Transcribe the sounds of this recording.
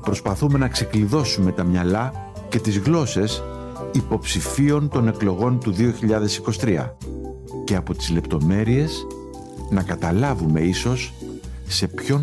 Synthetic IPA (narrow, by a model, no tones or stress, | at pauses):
pɾo̞spɐθume̞nɐkse̞kliðo̞sume̞t̪ɐmɲɐlɐ | ce̞t̪izɣlo̞se̞s | ipo̞psifio̞nt̪o̞ne̞klo̞ɣo̞nt̪uðio̞çiʎɐðe̞siko̞si̥t̪ɾiɐ̰ | ce̞ɐpo̞t̪i̥zle̞pt̪o̞me̞ɾie̞s | nɐkɐt̪ɐlɐvume̞iso̞sː | e̞pço̞